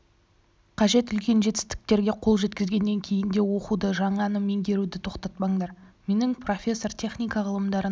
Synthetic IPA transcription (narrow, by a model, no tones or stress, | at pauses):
qʰɑʒe̞t̪ʏlkʲe̞nʒe̞t̪ɪ̥st̪ɪ̥k̚t̪e̞ɾɡʲe̞qʰolˠʒe̞t̪kʲɪzɡʲe̞nːe̞ŋkʲʰe̞jɪnd̪e̞wo̞qud̪əʒɑɴɑnəme̞ŋd̪ʲe̞ɾud̪ɪt̪ʰo̞qt̪ɑt̪̚pɑɴd̪ɑɾ | me̞nɪŋpro̞fʲe̞sːo̞rt̪ʲʰe̞χnʲijkɑʁəlˠəmd̪ɑɾə